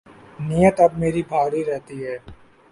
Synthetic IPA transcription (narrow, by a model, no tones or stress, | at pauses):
nijət̪ɐb̚meːɾibʱaːɾiɾɛɦt̪iɦɛː